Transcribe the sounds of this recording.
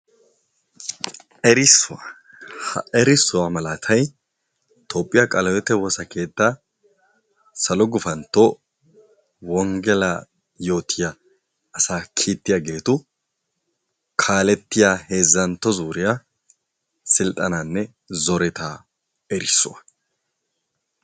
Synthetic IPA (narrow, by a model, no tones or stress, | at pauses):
ɛɾɪsːʊwɐ | hɐɛɾɪsːʊwamɐlat̪ʰɐj | t̪ʰopʼːɪjakʼɐlɔwɛt̪ːɛwɔsɐkʰe̞ːt̪ːa | sɐlɔɡʊfɐnt̪ːɔ | wɔŋɡɛlɐ | jo̞ːt̪ʰːɪjaː | saːkʰiːt̪ːɪjaɡe̞ːt̪ʊ | kʰaːlɛt̪ːɪjahe̞ːzːɐnt̪ːɔzuːɾɪja | sɪlt̪ʼːɐnanːɛ | zɔɾɛt̪a | ɛɾɪsːʊwɐ